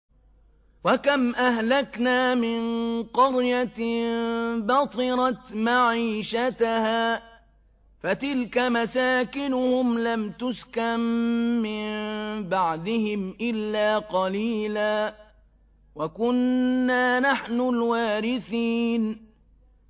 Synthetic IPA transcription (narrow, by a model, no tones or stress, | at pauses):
wakamʔahlaknaːmɪnqɑɾjat̪ | bɑt̪ˤɨɾɑt̪maʕiːʃat̪ahaː | fat̪ɪlkamasaːkɪnʊhʊmlamt̪ʊskamːɪnbaʕd̪ɪhɪmʔɪlːaːqɑliːlaː | wakʊnːaːnaħnʊlwaːɾɪθiːn